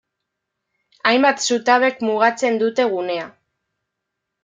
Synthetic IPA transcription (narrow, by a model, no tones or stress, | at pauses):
ajmbat̪sut̪aβe̞kmuɣ̞at͡se̞nd̪ut̪e̞ɣ̞une̞a